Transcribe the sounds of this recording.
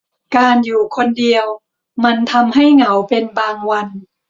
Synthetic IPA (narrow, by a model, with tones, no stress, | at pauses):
kaː˧njuː˨˩kʰo˧ndi˧əw | ma˧nt̪ʰa˧mha˥˩jŋa˩˦wpe˧nbaː˧ŋwa˧n